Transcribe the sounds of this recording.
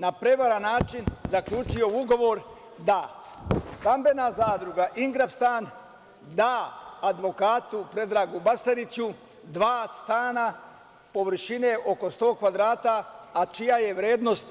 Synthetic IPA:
napɾe̞ʋaɾanaːt͡ʃinzakʎʲuːt͡ʃijo̞uɡo̞ʋo̞ɾ | d̪a | st̪ambe̞nazaːd̪ɾuɡaʔiŋɡɾapst̪aːn | d̪aːd̪ʋo̞kaːt̪upɾe̞d̪ɾaːɡubasaɾit͡ɕu | d̪ʋaːst̪aːna | po̞ʋr̩ʃine̞ʔo̞ko̞st̪o̞ːkʋad̪ɾaːt̪aːt͡ʃijaje̞ʋɾe̞ːd̪no̞st̪

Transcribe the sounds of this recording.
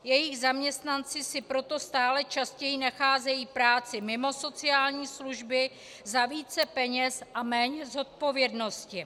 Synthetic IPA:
jɛjɪɣzamɲɛst̪nant͡sɪsɪpɾo̞t̪o̞st̪aːlɛt͡ʃascɛjinaxaːzɛjiːpɾaːt͡sɪmɪmo̞so̞t͡sɪaːlɲiːsluʒbɪ | zaviːt͡sɛpɛɲɛsʔamɛːɲɛzo̞t̪̚po̞vjɛdno̞scɪ

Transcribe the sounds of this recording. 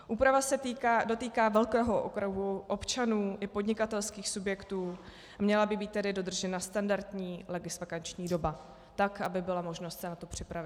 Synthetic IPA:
ʔuːpɾavasɛt̪ikaːdo̞t̪iːkaːvɛlkɛːɦoʔo̰kɾoɦuʔo̞pt͡ʃanuːʔɪpodɲɪkat̪ɛlskiːxsubjɛkt̪uː | mɲɛlabɪbiːt̪ːɛdɪdo̞d̪r̩ʒɛnast̪andaɾt̪ɲiːlɛɡɪsfakant͡ʃɲiːdo̞ba | t̪akʔabɪbɪlamo̞ʒno̞st̪sɛnat̪o̞pr̝̥ɪpɾavɪt̪̚

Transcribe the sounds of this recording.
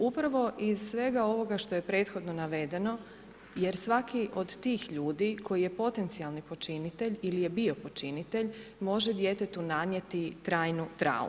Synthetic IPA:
upɾaʋo̞ʔizsʋe̞ɡao̞ʋo̞ɡaʃt̪o̞je̞pɾe̞ːt̪xo̞d̪no̞naʋe̞d̪e̞no̞ | jeɾsʋakiʔo̞d̪t̪iːxʎuːd̪ikʰo̞jije̞po̞t̪e̞nt̪sialˠnipo̞t͡ʃinit̪e̞ʎilije̞bio̞po̞t͡ʃinit̪e̞ʎmo̞ʒed̪je̞t̪e̞t̪unad̪njet̪it̪ɾaːjnut̪ɾa̰ːṵ

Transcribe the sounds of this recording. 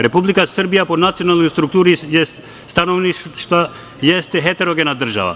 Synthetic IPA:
ɾɛpublikasərbijaponat̪sijonalˠnojst̪ɾuk̚t̪uɾijɛ | st̪anoʋniʃʃt̪a | jɛst̪ɛɦɛt̪ɛɾoɡɛnad̪r̩ʒa̰ʋa̰

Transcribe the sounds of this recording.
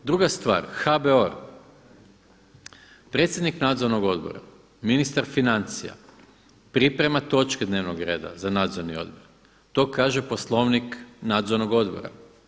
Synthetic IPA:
d̪ɾuɡast̪ʋa̰ːɾxabeoɾ | pɾe̞t̪sjed̪niknaːd̪zo̞ɾno̞ɡo̞d̪bo̞̰ɾa̰ | minist̪aɾfinant̪sija̰ | pɾipɾe̞mat̪o̞t͡ʃked̪ne̞ːʋnoɡɾe̞ːd̪a̰zanaːd̪zo̞ɾnio̞̰d̪boɾ | t̪o̞kaːʒepo̞slˠo̞ʋniknaːd̪zoɾnoɡo̞d̪bo̰ɾa̰

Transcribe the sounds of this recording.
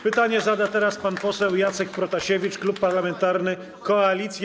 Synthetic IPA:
pɘt̪aɲɛzad̪at̪ɛɾaspanpɔsɛwjat̪sɛk̚pɾɔt̪aɕevʲit͡ʂklupːaɾlamɛnt̪aɾnɘ | kɔalʲit̪sʲj

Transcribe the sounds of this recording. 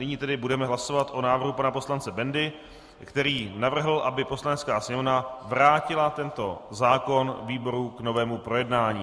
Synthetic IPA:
nɪɲiːt̪ɛdɪbudɛmɛɦlaso̞vat̪ʔo̞naːvrɦupanapo̞slant͡sɛbɛndɪ | kt̪ɛɾiːnavr̩ɦl̩ʔabɪpo̞slanɛt͡skaːsɲɛvnavɾaːcɪlat̪ɛnt̪o̞zaːko̞nviːbo̞ɾukno̞vɛːmupɾo̞jɛdnaːɲiː

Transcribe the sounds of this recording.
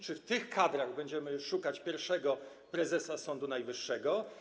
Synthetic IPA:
t͡ʂɘft̪ɘxkad̪ɾaɣbɛɲd͡ʑɛmɘʂukat͡ɕpʲjɛɾfʂɛɡɔ | pɾɛzɛsasɔnd̪unajvɘʂːɛɡɔ

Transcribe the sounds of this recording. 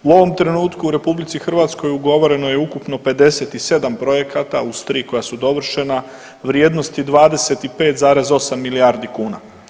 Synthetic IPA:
uo̞ʋo̞mt̪ɾe̞nuːt̪kuːɾe̞publit̪sixr̩ʋaːt̪sko̞juɡo̞ʋo̞ɾe̞no̞jeukupno̞pe̞d̪e̞se̞t̪ise̞d̪ampɾo̞je̞kat̪a̰ust̪ɾiːko̞jasud̪o̞ʋr̩ʃe̞na | ʋɾjeːd̪nost̪id̪ʋaːd̪e̞se̞t̪ipe̞ːt̪zaːɾe̞zo̞samːiliaːɾd̪ikuːna

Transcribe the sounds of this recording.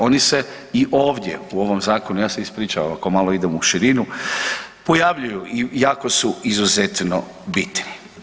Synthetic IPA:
o̞nise̞ | iʔoːʋd̪je̞̰uo̞ʋo̞mzaːkonujaːseispɾiːt͡ʃaʋa̰mako̞maloid̪e̞muʃiɾinu | po̞jaʋʎujuijaːko̞suizuzet̪no̰ | bit̪ni

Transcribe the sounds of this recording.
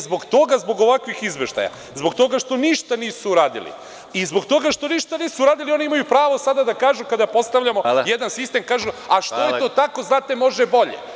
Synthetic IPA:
zbo̞ɡt̪o̞ɡazbo̞ɡo̞ʋakʋixizʋeʃt̪a̰ja̰ | zbo̞kt̪o̞ɡaʃt̪o̞niʃt̪aniːsuːɾaːd̪ḭlḭ | izbo̞kt̪o̞ɡaʃt̪o̞niʃt̪aniːsuuɾaːd̪ilio̞niimajupɾaːʋo̞sad̪ad̪akaːʒukad̪apo̞st̪aʋʎamojed̪ansist̪e̞mkaːʒuaʃt̪ojet̪o̞ːt̪ako̞znaːt̪emo̞ʒɛbo̞ʎḛ

